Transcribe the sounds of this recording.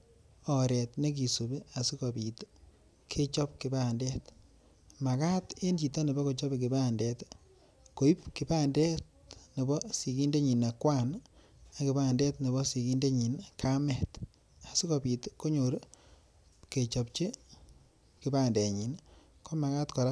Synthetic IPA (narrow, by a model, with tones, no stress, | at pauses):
ɔ˨ɾɛ˨tne˦k̬i˨su˨be˦a˨si˦ko˨bi˨t | kʰe˦t͡ʃɔ˦p̚ki˨ba˨ndɛ˦t | ma˨ka˦te˦nt͡ʃi˨ta˦ne˨bɔ˦ko˨t͡ʃɔ˦be˨k̬ɪ˨ba˦ndɛ˨t | ko˨i˦pki˨baː˦ndɛ˦t̚ | ne˨bɔ˦si˨ki˦nde˦ɲi˨na˨kwa˦n | a˨kɪ˨ba˦˨ndɛ˦tne˨βɔ˦si˨ki˦nde˦ɲi˨nkʰa˦mɛ˨t | a˨si˦kɔ˨bi˨tko˦ɲo˨ɾ | ke˨t͡ʃɔ˨p̚t͡ʃi˦ | kɪ˨ba˦nde˨ɲi˨n | ko˦ma˨ka˦tkɔ˨ɾa˦